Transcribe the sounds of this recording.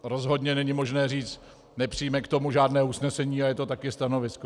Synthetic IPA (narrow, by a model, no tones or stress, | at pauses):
ɾo̞zɦo̞dɲɛnɛɲɪmo̞ʒnɛːr̝iːt͡st̪ | nɛpr̥ɪjmɛkt̪omuʒaːdnɛːusnɛsɛɲiːajɛt̪o̞t̪akɪst̪ano̞vɪsko